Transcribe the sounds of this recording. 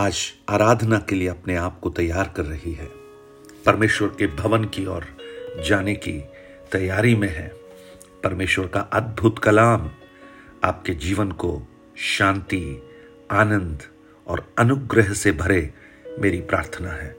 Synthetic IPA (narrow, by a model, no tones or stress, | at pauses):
aːd͡ʒaːɾaːd̪ʱnakelieɐpneaːp̚kot̪ɐjːaːɾkɐɾːɐɦiɦɛː | pɐɾmeːʃwəɾkebʱɐʋənkiɔːɾd͡ʒaːneki | t̪ɐjːaːɾimẽɦɛ̰̃ː | pɐɾmeːʃwəɾkaʔɐd̪̚bʱʊt̪kɐlaːm | a̰ːp̚ked͡ʒiːʋənko | ʃãːnt̪i | aːnə̃nd̪ʱ | ɔːɾɐnʊɡɾəɦsebʱɐɾe | meːɾipɾa̰ːɾt̪ʰənaɦɛː